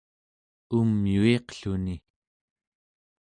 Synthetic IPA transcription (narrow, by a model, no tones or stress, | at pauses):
umjueqɬuni